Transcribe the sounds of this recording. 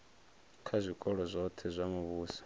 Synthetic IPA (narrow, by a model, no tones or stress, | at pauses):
kʰazʷikʼɔɺɔzʷɔt̪ʰɛzʷamuβuːsḁ